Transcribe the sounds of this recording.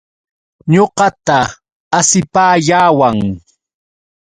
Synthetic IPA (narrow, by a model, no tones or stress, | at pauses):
ɲoqɑt̪aː | sɪpaːʎaːwaŋ